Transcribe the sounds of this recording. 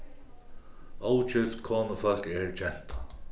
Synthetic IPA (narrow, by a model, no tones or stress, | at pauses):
owt͡ʃʏft̪kʰɔːnəfœlkɛɹt͡ɕɛn̥t̪a